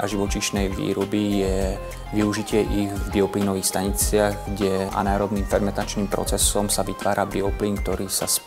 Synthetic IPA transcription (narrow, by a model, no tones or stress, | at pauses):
a̰ʒiʋɔt͡ʃiʃnɛjʋḭːɾɔbijɛ | ʋiuʒicɪɛʔiɣvbiɔpliːnɔʋiːxst̪aɲit͡sɪaɣɡɟɛa̰naːɾɔbniːmfɛɾmɛnt̪at͡ʃniːmpɾɔ̰t͡sɛsɔmsaʋit̪ʋaːɾabiɔpliːnk̚t̪ɔɾiːsa̰s